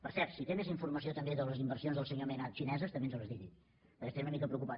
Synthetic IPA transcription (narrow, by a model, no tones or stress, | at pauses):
pəɾsɛɾt̪sit̪emeziɱfurməsiot̪əmbeðələzimbərsionzðəlˠsəɲomenat̪ʃinɛzəst̪əmbenzləzðiði | pəɾkɛst̪ezunəmikəpɾəukupa